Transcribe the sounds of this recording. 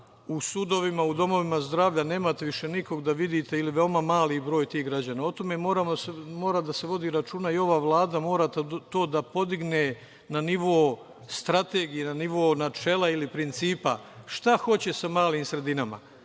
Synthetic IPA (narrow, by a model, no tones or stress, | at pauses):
usud̪o̞ʋimaud̪o̞mo̞ʋimazd̪ɾaːʋʎane̞ːmat̪eʋiʃe̞niko̞ɡd̪aʋid̪it̪e̞iliʋe̞omamaːlibɾo̞ːjt̪iːɦɡɾad͡ʑanao̞t̪o̞me̞mo̞ːɾamosmo̞ːɾad̪ase̞ʋo̞d̪iːɾat͡ʃuːnaio̞ʋaːʋlˠaːd̪amo̞ːɾat̪t̪o̞ːd̪apo̞d̪iɡne̞ | naniʋo | st̪ɾat̪e̞ːɡijenaniʋoːnat͡ʃe̞ːlˠailipɾint̪siːpa̰ʃt̪axo̞t͡ɕe̞samaːliːmsɾe̞d̪inama̰